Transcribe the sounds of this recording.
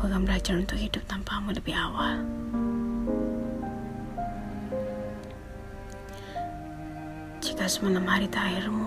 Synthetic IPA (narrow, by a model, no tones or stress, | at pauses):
pəɡambəlad͡ʒarunt̪ʊk̚hidʊp̚t̪ampamuləbihawal | d͡ʒikasəmanamhaɾit̪airmu